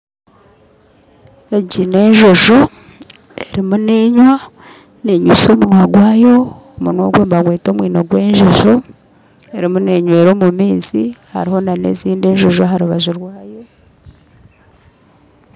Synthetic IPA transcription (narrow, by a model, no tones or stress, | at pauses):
eɟine̞ːɲʒoʒo | e̞ɾimune̞ːɲwa | ne̞ɲuso̞ːmunwaɡwaːjo̞ː | munwo̰ɡweːmbaɡwe̞ːto̞ːmwiːnoɡwe̞ːɲʒoʒo | eɾimune̞ɲwe̞ːɾo̞ːmumiːnziha̰ɾiho̞nanḛziːnde̞ːʒoʒoɦaɾuβaʒuɾwaːjo̞